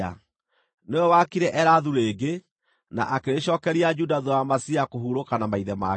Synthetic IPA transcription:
a̰ | newɛwakiɾɛʔɛɾaðuɾeːɡe | na̰ʔakeɾeɕɔːkɛɾiad͡ʒudaðuwamasiakoɦuɾokanamaiðɛma̰

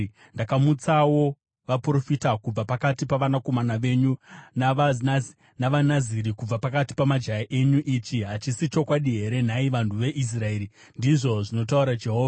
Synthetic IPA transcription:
ndakamut͡sawo̞ | ʋapuro̞fitakub͡vapakatipaʋanako̞manaʋe̞ɲuna | naʋanaziɾikub͡vapakati̥pamad͡ʒajaʔe̞ɲuʔit͡ʃiɦat͡ʃisit͡ʃo̞kwaɗiɦe̞ɾe̞n̤aiʋantʰuʋe̞ʔis̬rae̞ːɾi | ndiʐo̞ʐino̞t̬auɾad͡ʒe̞ɦoːva

